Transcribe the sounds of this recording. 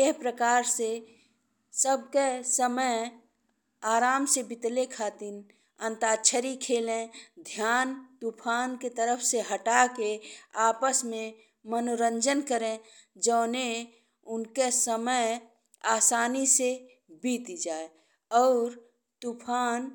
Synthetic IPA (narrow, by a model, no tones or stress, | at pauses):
eɦpɾəkaːɾse | səb̚kesəməj | aːɾaːmsebɪt̪lekʰaːt̪in | ə̃nt̪aːt͡ʃʰəɾikʰeːlẽd̪ʱjaːnt̪upʰaːnket̪əɾəpʰseɦəʈakeaːpəsmẽ | mənoɾə̃ɲd͡ʒənkəɾẽ | d͡ʒəːne | ʊnkesəməj | aːsaːnise | biːt̪d͡ʒaːe | ɔːɾ | t̪upʰaːn